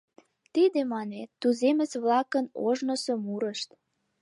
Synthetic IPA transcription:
t̪id̪emɑnet̪ːuzemə̆t͡sβlɑkənoʒnə̆somuɾəʃt̪

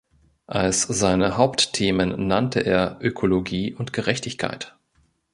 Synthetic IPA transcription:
ʔalsz̥aɪnəhaʊpttʰeːmənːantʰəʔeːɐʔøkʰoloɡiːʔʊntɡ̥əʁɛçtɪçkʰa̰ɪt

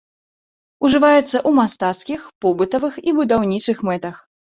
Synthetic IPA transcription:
uʐɨvajɛt̪sːɐʔumast̪at̪skʲixpɔbɨt̪ɐvɨxibud̪awnʲit͡ʂɨxmɛt̪ɐx

